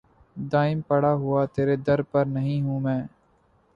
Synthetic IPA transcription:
d̪aːɪmpəɽaːɦʊaːt̪eːɾeːd̪əɾpəɾnəɦĩːɦũːmɛ̃ː

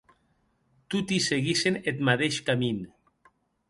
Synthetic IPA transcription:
t̪ut̪iseɣisenet̪maðeʃkamin

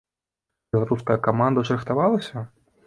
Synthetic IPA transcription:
bʲɛlˠaɾuskɐjɐkamand̪ɐʂɾɨxt̪avalˠɐsʲɐ

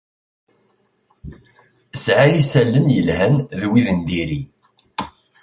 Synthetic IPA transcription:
əsʕajisælːənjəlɦænðwiðənd̪iɾi

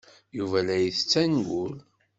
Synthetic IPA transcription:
juvælæjiθət͡sːænɡul

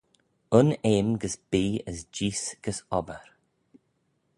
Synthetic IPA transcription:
ʊneːmɡəsb̥iːəsd͡ʒiːsɡ̥əsɔbəɾ

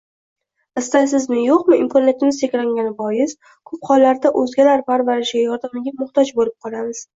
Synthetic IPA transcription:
ɪst̪ajsɪznɪjoqmɪɪmkʰonet̪ɪmɪz̥t̪ʰekʲlaŋɡʲanɪbɒjɪs | kʰop̚χɒlːaɾd̪aʔɵzɡʲalaɾpaɾvaɾɪʃɪɡʲajɒɾd̪amɪɡʲamʊχt̪ʰɒd͡ʒbolɪp̚qʰɒlˠamɪz̥

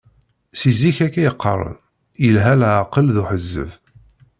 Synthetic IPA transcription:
siziçækːæjəqʰːəɾˤə̰ð | jəlɦælʕaqːəlðuħəzːə̰v

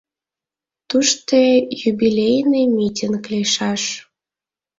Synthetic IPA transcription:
t̪uʃt̪ejubilʲejnɨjmʲitʲinkleʃɑʃ

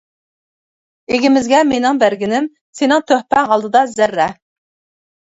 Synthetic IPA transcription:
eɡʲimɪzɡʲɛmenɪŋbæɾɡʲinɪm | senɪŋt̪ʰøhpɛŋʁɑlˠd̪ɨd̪ɑzæɾːɛ

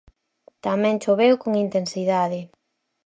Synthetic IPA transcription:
t̪amɛ̃ŋt͡ʃoβewkoŋint̪ensiðaðɪ

